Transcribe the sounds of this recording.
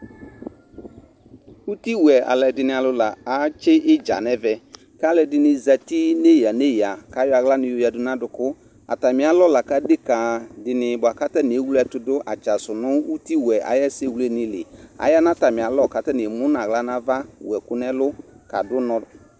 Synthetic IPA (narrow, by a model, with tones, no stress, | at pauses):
u˦ti˦wɛ˨a̰˨lɛ˨dɪ˨nɪ̃˨a˨lʊ˨˦la˨a˨t͡ʃɪ˦ʔɪ˦d͡ʒa̰˨nɛ˦vɛ˨ | ka˦lɛ˨dɪ˨nɪ˨za˨ti˦ne˦ja˨ne˦ja˨ka˨˦jɔ˦a˨ɣla˦nɪ̃˨jo˨˦ja˨dʊ˨nã˦dʊ˨kʊ˦ | a̰˨ta˨mɪ˨˦a˨˦lɔ˦la˨ka˨˦de˦ka˨dɪ˨nɪ˨bʊ˨a˨ka˦tɛ˦nɪ˨e˦wu˦lɛ˦˨˦tʊ˦dʊ˦ʔa˨t͡ʃa˨sʊ˨nʊ˦u˦ti˦wɛ˨a̰˨jɛ˦se˦˨wu˨lɛ˦nɪ˨lɪ̰˨a̰˨ja˦na˦ta˨mɪ̃˨a˨˦lɔ˦˨ka˨˦tɛ˦nɪ˨mʊ˦na˨ɣla˦na˦va˦wɛ˨kʊ˦nɛ˦lʊ˦ | ka̰˨dʊ˦nɔ̃˨